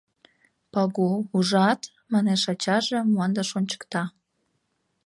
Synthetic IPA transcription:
pɑɣuuʒɑt̪ | mɑneʃɑt͡ɕɑʒemuɑnd̪ɑʃonʲt͡ɕə̥kt̪ɑ

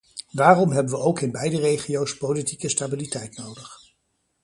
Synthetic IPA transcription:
ʋaːrɔmɦɛbəʋəowkɪnbɛjdərejχiowspowlitikəstabilitɛjtnowdəχ

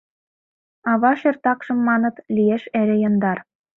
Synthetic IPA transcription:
ɑβɑʃĕrt̪ɑkʃɤ̆mːɑnɤ̆t̪lieʃeɾɘ̆jɤ̆nd̪ɑr

